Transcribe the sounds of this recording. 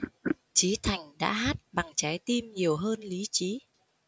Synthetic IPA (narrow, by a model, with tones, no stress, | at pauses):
t͡ɕi˨˦t̪ʰa˨˩jŋ̟ɗa̰ː˧˥ɦaː˦˥t̚ɓa˨˩ŋt͡ɕa˨˦jt̪i˧mɲi˨˩əwɦəː˧nli˨˦t͡ɕi˨˦